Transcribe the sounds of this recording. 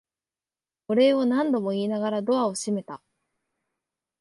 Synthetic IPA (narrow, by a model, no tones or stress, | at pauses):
ko̞ɾe̞o̞nãnd̪o̞mo̞iːnaɡaɾad̪o̞βao̞ɕime̞t̪a